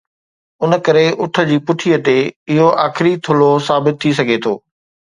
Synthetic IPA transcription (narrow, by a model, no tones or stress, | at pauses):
ʊnə̆kɐɾeʔʊʈʰə̆d͡ʑiːpʊʈʰijət̪eɪɦoʔaːxɪɾit̪ʰʊlosaːbɪt̪ʰːis̬ɐɡʱet̪ʰo̰ː